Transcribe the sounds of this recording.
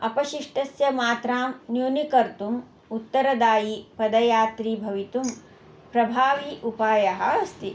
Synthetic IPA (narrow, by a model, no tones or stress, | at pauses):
ɐpɐʃiʂʈɐsjɐmaːt̪ɾaːmnjunikɐɾt̪um | ut̪ːɐɾɐd̪aːjipɐd̪ɐjaːt̪ɾiːbʱɐʋit̪um | pɾɐbʱaːʋiʔupaːjɐɦɐɐst̪i